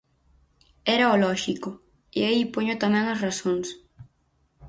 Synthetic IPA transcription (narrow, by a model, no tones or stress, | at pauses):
ɛɾɐolɔʃiko | iaipoɲot̪amɛ̃ŋɐsrasoŋs